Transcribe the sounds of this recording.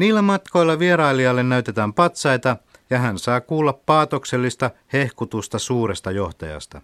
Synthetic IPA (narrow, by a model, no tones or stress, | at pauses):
niːlːæmɑt̪ko̞jlːɑʋieɾɑiliɑlːennæyt̪e̞t̪æːmpɑt̪sɑjt̪ɑ | jɑɦænsɑːkuːlːɑppɑːt̪okselːist̪ɑhehkut̪ust̪ɑsuːrest̪ɑjoht̪ɑjɑ̰st̪ɑ̰